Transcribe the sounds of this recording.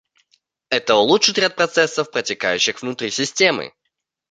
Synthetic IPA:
ɛt̪əʊlˠuʂɨt̪ɾʲat̪̚pɾɐt̪sɛsːəfpɾətʲɪkajʉɕːɪxvnʊt̪ɾʲisʲɪsʲtʲe̞mɨ̰

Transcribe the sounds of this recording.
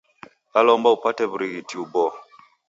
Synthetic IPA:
alɔmbaupatɛbɾiɣitʰiubɔ

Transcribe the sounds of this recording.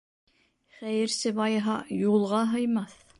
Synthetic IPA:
χæjɘ̆ɾsɘβɑjɦɑjulˠʁɑɦɤ̆jmɑθ

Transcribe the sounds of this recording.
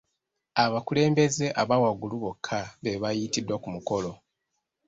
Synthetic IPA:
aβakule̞ːmbe̞ze̞ʔaβawaɡuluβo̞kʰːaβeβajitidːokumuko̞lo̞

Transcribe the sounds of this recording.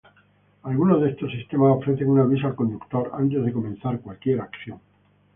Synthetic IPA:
alɣunoðest̪osːist̪e̞maso̞fɾe̞θeŋunaβis̬alko̞nd̪ukt̪o̞ɾa̰nt̪̬e̞zð̞e̞ko̞mẽ̞nθaɾkwalkje̞ɾakθjo̞ŋ

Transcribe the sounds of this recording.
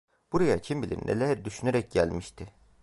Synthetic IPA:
b̥uɾajacʰimbilʲḭɾ̰nʔḛlʲæɾd̪yʃyneɾɛc̚ɟælʲmiʃt̪ʰɪ

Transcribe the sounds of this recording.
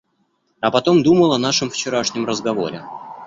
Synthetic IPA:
ɐpɐt̪o̞md̪uməlˠɐnaʂɨmft͡ɕɪɾaʂnʲɪmrəzɡɐvo̞̰ɾʲɪ̰

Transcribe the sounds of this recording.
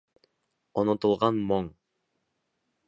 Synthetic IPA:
onot̪ulˠʁɑnmoŋ

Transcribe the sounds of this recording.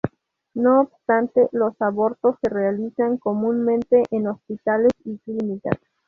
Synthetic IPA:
noːbst̪ant̪elosaβo̞ɾt̪osːerealisaŋko̞mũnmẽnt̪eʔenospit̪alesiklinika̰s

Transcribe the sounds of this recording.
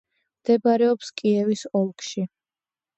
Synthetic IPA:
md̪̥ɛbaɾɛɔpskʼiɛvisɔlˠkʰʃi

